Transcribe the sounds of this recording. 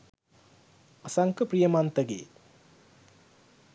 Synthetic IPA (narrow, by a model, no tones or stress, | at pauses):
ɐsaŋkɐpɾijɐmant̪ɐɡḛ